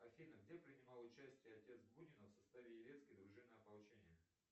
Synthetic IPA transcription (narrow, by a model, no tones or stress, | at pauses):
ɐfʲinəɡdʲepɾʲɪnʲɪmɑlˠʊt͡ɕæsʲtʲɪjəɐtʲe̞t̪sɡbunʲɪnəfsɐst̪avʲɪjɪɾʲe̞t̪skʲəjd̪ɾʊʐɨmnəjɐpɐlˠt͡ɕenʲɪjə